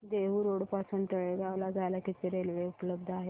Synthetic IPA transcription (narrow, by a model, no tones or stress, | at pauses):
d̪eʋuɾoɽpasuːnt̪əɭeɡaʋlad͡zʱajlakit̪eɾelʋeupləb̚d̪ʱaɦe